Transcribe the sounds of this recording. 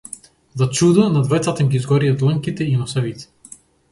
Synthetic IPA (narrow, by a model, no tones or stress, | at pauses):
zat͡ʃud̪anad̪vajt̪sat̪ɛmɡizɡɔɾijat̪lˠaŋkit̪ɛinɔsavit̪ɛ̥